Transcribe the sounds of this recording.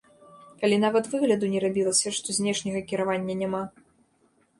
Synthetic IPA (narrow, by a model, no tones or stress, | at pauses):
kalʲinavɐt̪vɨɣlʲɐd̪unʲɛɾabʲilˠɐsʲɐʂt̪ɔzʲnʲɛʂnʲɐɣɐkʲiɾavanʲːɐnʲama